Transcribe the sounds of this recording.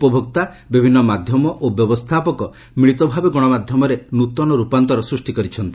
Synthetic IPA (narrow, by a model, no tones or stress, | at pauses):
upɔbʱɔk̚t̪a | bibʱinːɔmad̪ʱjɔmɔʔobjɔbɔst̪ʰapɔkɔ | miɭit̪ɔbʱabeɡɔɽ̃ɔmad̪ʱjɔmɔɾenut̪ɔnɔɾupant̪ɔɾɔsɾusʈikɔɾit͡ʃʰɔnt̪i